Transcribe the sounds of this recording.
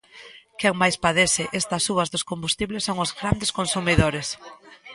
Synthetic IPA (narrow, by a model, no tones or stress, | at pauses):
kɛŋmajspaðesɪʔest̪ɐsuɐzðʊskombust̪iβlesːoŋʊzɣɾand̪eskonsumiðoɾes